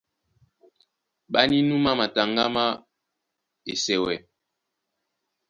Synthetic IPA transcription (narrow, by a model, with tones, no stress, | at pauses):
ɓa˦ni˦nu˦ma˦ma˨ta˨ŋɡa˦ma˦ | e˨sɛ˨wɛ˨